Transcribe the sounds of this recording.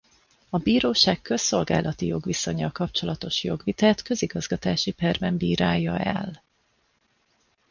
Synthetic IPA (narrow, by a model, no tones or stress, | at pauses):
ɒbiːɾoːʃaːkkø̞so̞lɡa̰ːlɒt̪ijo̞ɡʋiso̞ɲːɒlkɒp̚t͡ʃo̞lɒt̪o̞ʃjo̞ɡʋit̪aːt̪kø̞ziɡɒzɡɒt̪aːʃipɛrbɛmbiːɾaːjːɒɛ̰l